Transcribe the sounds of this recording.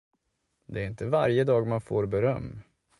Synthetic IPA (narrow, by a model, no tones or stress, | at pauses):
d̪ɛæɾɪnt̪əvaɾjəd̪ɑːɡmanfoːɾbɛɾœ̰mː